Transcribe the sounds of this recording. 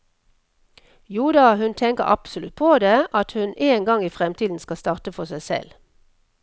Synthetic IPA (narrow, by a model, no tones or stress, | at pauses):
juːd̪ɑhʉnt̪ʰɛŋkəʁɑ̰psʊlʉt̪̚pʰoːd̪eːʔɑt̪hʉneːŋɡɑŋiːfʁɛmt̪ʰiːd̪n̩skɑst̪ɑːʁt̪əfɔsæɪsɛ̰l